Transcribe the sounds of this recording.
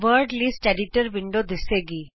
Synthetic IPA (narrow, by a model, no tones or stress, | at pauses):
ʋəɾɖlisʈɛɖɪʈəɾʋɪ̃ɳɖod̪ɪseːɡiː